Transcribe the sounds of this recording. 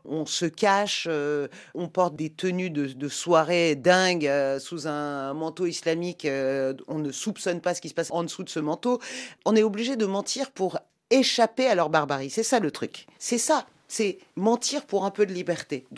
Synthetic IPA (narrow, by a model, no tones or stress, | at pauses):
ɔ̃səkaʃøɔ̃pɔʁt̪̚d̪et̪ənyd̪əd̪əswaʁed̪ɛ̃ɡøsuzɛ̃mɑ̃t̪oislamikøɔ̃nəsupsɔnpasə̥kʲisə̥pasɑ̃d̪əsud̪əsəmɑ̃t̪oɔ̃nɛobliʒed̪əmɑ̃t̪ʰiʁpuʁ | eʃapealœʁbaʁbaʁisɛsalət̪χyksɛsa | sɛmɑ̃t̪iʁpuʁɛ̃pød̪əlibɛʁt̪e